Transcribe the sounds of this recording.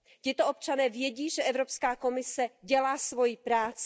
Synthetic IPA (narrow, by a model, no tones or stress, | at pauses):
cɪt̪oʔop̚t͡ʃanɛːvjɛɟiːʒɛʔɛvɾo̞pskaːko̞mɪsɛɟɛlaːsvo̞jipɾaːt͡s